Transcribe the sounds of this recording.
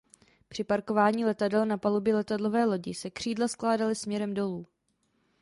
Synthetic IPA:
pr̝̥ɪpaɾko̞vaːɲiːlɛt̪adɛlnapalubjɛlɛt̪adlo̞vɛːlo̞ɟɪsɛkr̝̥iːdlasklaːdalɪsmɲɛɾɛmdo̞luː

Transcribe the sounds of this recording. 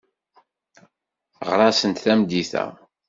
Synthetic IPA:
ʁɾˤɑsənt̪θæmd̪iθæ̰

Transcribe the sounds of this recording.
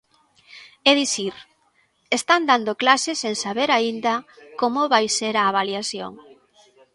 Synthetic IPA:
eðiθiɾ | est̪and̪and̪oklaseseŋsaβeɾaind̪ɐkomoβajseɾɐːβaliaθjo̰ŋ

